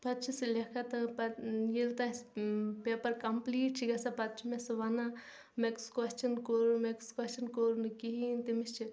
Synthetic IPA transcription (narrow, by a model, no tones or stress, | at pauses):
pɐt̪̚t͡ʃʰisilekʰɐt̪ɐpɐjiɾt̪aspepɐɾkɐmpliːʈt͡ʃʰiɡɐsapɐt̪̚t͡ʃʰimesɨʋɐna | mekskwɐst͡ʃʰɐnkoɾmekskwɐst͡ʃɐnkoɾnɨkiɦint̪imist͡ʃʰi